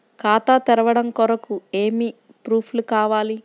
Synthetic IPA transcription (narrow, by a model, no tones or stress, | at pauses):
kaːt̪aːt̪ɛɾɐʋɐɽɐmkɔɾɐkueːmi | pɾuːpʰlukaːʋaːli